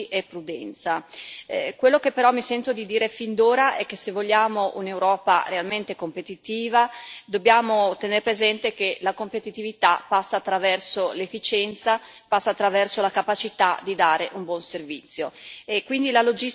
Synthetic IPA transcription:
ʔepːɾud̪ɛnt̪sa | kwelːokepːeɾɔmːisɛnt̪od̪id̪iːɾefind̪oːɾaʔɛk̟ːesevːoʎːaːmoʔunewɾɔːparealment̪ekompet̪it̪iːvad̪obːjaːmot̪eneɾepɾezɛnt̪ek̟elakompet̪it̪ivit̪apːasːaːt̪ːɾavɛrsolefːit͡ʃɛnt̪sa | pasːat̪ːɾavɛrsolakapat͡ʃit̪ad̪id̪aːɾeʔumbwɔnservit̪sːjoekwind̪ilalod͡ʒi

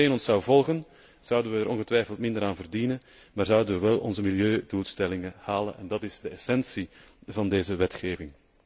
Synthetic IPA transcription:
eːnɔnsɑwvɔlˠɣən | z̥ʌwdənʋəːɾʔɔnɣətʋɛjfəlˠtmɪndəɾaːnvərdinən | maːrzʌwdənʋəʋɛlˠɔnzəmiljøːduːlˠstɛlɪŋəhaːlə̰nɛndɑtɪzdəɛsɛnsi | vɑndeːzəʋɛtxeːvɪŋ

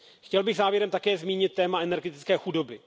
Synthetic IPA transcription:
xcɛlbɪɣzaːvjɛɾɛmt̪akɛːzmiːɲɪt̪ːɛːmaɛnɛɾɡɛt̪ɪ̥t͡skɛːxudo̞bɪ

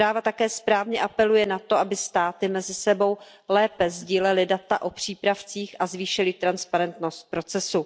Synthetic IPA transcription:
pɾaːvat̪akɛːspɾaːvɲɛʔapɛlujɛnat̪o̞ʔabɪst̪aːt̪ɪmɛzɪsɛbo̞w | lɛːpɛzɟiːlɛlɪdat̪a̰ʔo̞pr̝̥iːpɾaft͡siːxʔazviːʃɪlɪt̪ɾanspaɾɛnt̪no̞st̪̚pɾo̞t͡sɛsu

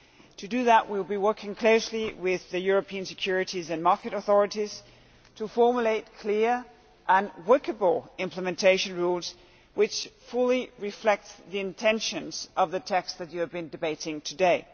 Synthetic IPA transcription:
tʰɨdɨðəʔwilˠbiwɜ˞kɪ̃ŋkʰl̥oʊsliwɪðɨjʊɹɨpʰiɨ̃nsɨkʰj̥ʊɹɨɾizɨ̃nmɑɹkɨɾəθɔɹɨɾiz̥ | tʰɨfɔɹmjuleɪt̚kʰl̥ɪɹ | ʔə̃nwɜ˞kəbl̩ˠɪ̃mpʰləmɨ̃ntʰeɪʃɨ̃nɹulˠz̥ | wɪt͡ʃfʊlˠiɹɨflɛk̚tðiɨ̃ntʰɛ̃nʃɨ̃nz̥ʔʌvðɨtʰɛksðɨt͡ʃɨːvbɨ̃ndɨbeɪɾɪ̃ŋtʰɨdeɪ

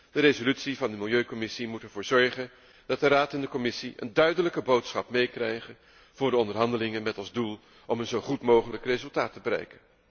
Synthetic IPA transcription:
d̥ərezolytsivɑndəmɪlˠjøɥkɔmɪsimutɛɹvʊːɹzɔɹχən | dɑt̚dəraːtɛndəkɔmɪsiʔə̰ndœɥdələkəbowtsχɑpmejkrɛjχən | v̥ʊːɹdəɔndəɹɦɑndəlɪŋənmɛtɑlˠzdulˠ | ʔɔmənzowχutmowχələkrejzɵlˠtaːtəbəɾɛ̰jkən

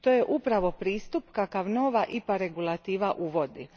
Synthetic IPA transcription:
t̪ojeʔupɾaʋo̞pɾiːst̪upkakaʋnoːʋaʔipaɾe̞ɡulˠat̪iːʋaʔuʋo̞d̪i

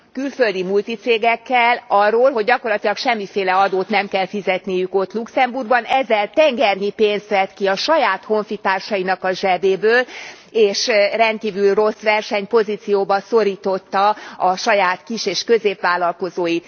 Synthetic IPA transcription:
kylfø̞ld̪imult̪it̪seːɡɛkːɛlɒrːoːlɦoɟːɒko̞rlɒt̪ilɒkʃɛmːifeːlɛɒd̪oːt̪nɛmkɛlfizɛt̪nijyko̞t̪luksɛmburɡbɒnɛzːɛlt̪ɛŋɡɛrɲipeːnst̪ʋɛt̪kiɒʃɒjaːt̪ho̞ɱfit̪aːrʃɒjinɒkɒʒɛbeːbøːl | eːʃrɛnt̪̚kiːvylro̞sʋɛrʃɛɲpo̞ziːt̪sijoːbɒso̞ɾiːt̪o̞t̪ːɒɒʃɒjaːt̪kiʃeːʃkø̞zeːpʋaːlːɒlko̞zoːjit̪

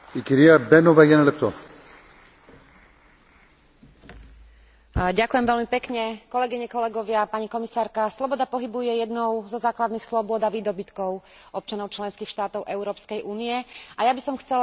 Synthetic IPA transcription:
ikiɾiabɛnɔvajanɛlɛp̚t̪ɔ | ɟakujɛmʋɛlmipɛkɲɛkɔlɛɡiɲɛkɔlɛɡɔʋɪapaɲikɔmisaːɾkaslɔbɔd̪apɔɦibujɛjɛd̪nɔʊzɔzaːklad̪niːxslɔbʊɔd̪aʋiːd̪ɔbit̪kɔʊʔɔp̚t͡ʃanɔʊt͡ʃlɛnskiːxʃt̪aːt̪ɔʊʔɛʊɾɔːpskɛjʔuːniɛajabisɔmxt͡sɛl

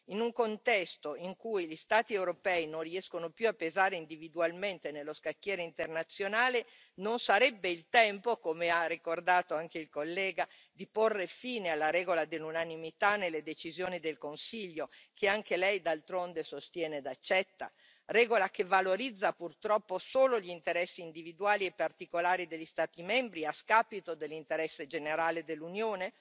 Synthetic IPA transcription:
inuŋkont̪ɛst̪oiŋkujʎist̪aːt̪iɛwɾopɛːinõnriɛskonopjuapːezaːɾeind̪ivid̪ualment̪enelːoskakːjɛːɾeint̪ernat̪sːjonaːle | nonsaɾɛbːeilt̪ɛmpokomearːikord̪aːt̪oaŋkeilkolːɛːɡa | d̪iporːefiːnealːaɾɛːɡolad̪elːunanimit̪anelːed̪et͡ʃizjoːnid̪elkonsiʎːokʰeaŋkelɛjd̪alt̪ɾond̪esost̪jɛːned̪at͡ʃːɛt̪ːa̰ | rɛːɡolakevaloɾid̪zːapurt̪ɾɔpːosoːloʎint̪eɾɛsːiːnd̪ivid̪uaːliepːart̪ikolaːɾid̪eʎːist̪aːt̪imɛmbɾiaskaːpit̪od̪elːint̪eɾɛsːed͡ʒeneɾaːled̪elːunjoːne

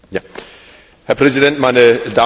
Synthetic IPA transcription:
ja | hɛɐpʁ̥ɛzidɛntmaɪnəda

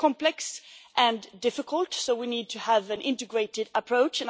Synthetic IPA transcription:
kʰɑ̃mplɛksʔɨ̃ndɪfɨkʰəl̩ˠtsoʊwinid̚tʰɨəvɨ̃nʔɪ̃ntɨɡɹeɪɾɨɾəpʰɹ̥oʊt͡ʃɨ̃n

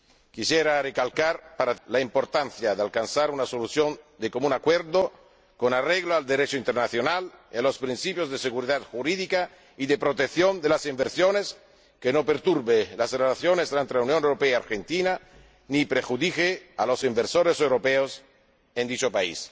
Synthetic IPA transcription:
kisjeɾarekalkaɾpaɾalaimpoɾt̪anθjaðealkansaɾunasoluθjond̪ekomũnakweɾðo | konareɣloald̪eɾet͡ʃoint̪eɾnaθjonalialospɾinsipjozðeseɣuɾiðat̪xuɾiðika | iðepɾot̪ekθjond̪elasimbeɾsjones | kenopeɾt̪uɾβelasrelaθjonest̪ɾant̪ɾelaunjõnewɾopeaaɾxent̪ina | nipɾexuðixealosimbeɾsoɾesewɾopeos | end̪it͡ʃopaḭs

